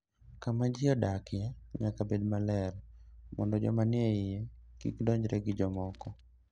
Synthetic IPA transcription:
kamad͡ʒɪɔdakɪjɛɲakabedmalɛɾmɔndɔd͡ʒɔmanjeɪjekḭkdɔɲd͡ʒɾɛɡɪd͡ʒɔmɔkɔ

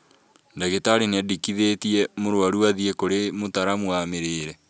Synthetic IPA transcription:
ndaɣetaɾineadikiðetiɛmoɾwaɾuaðiekoɾemotaɾamwameɾeːɾɛ

